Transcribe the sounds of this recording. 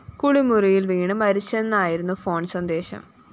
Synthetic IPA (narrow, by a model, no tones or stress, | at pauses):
kuɽimurijilʋiːɳɐmɐɾit͡ɕːenːaːjiɾunːufo̞ːɳsɐnd̪e̞ːɕɐ̰m